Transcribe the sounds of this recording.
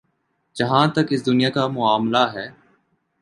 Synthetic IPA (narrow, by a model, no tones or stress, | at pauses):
d͡ʒɐɦãːt̪ɐkɪs̬d̪ʊnɪjaːkamʊaːmlaɦɛː